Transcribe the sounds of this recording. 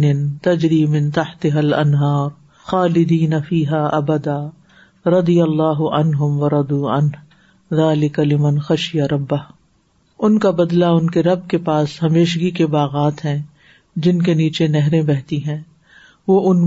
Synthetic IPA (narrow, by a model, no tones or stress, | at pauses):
nɪnt̪ɐd͡ʒɾiːmɪ̃nt̪ɐħt̪ɪɦɐlɐ̰nɦaːɾ | xaːlɪd̪iːnɐfiːɦaːʔɐbɐd̪aː | ɾɐd̪ijɐlːaːɦʊʔɐnɦʊmʋɐɾˤɐd̪uːɐ̰nɦ | ðaːlɪkalɪmɐnxɐʃɪjaɾɐbːɐɦ | ʊnkabɐd̪laʊnkeɾɐb̚kepaːshɐmeːʃɡikebaːɣaːt̪ɦɛ̃ː | d͡ʒɪnkeniːt͡ʃenɛɦɾẽbɛɦt̪iɦɛ̃ː | ʋoːʔʊn